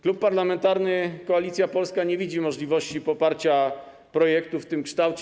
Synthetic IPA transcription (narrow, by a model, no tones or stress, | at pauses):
klupːaɾlamɛnt̪aɾnɘkɔalʲit̪sʲjapɔlskaɲevʲid͡ʑimɔʐlʲivɔɕt͡ɕipɔpaɾt͡ɕa | pɾɔjɛkt̪uft̪ɘmkʂt̪awt͡ɕ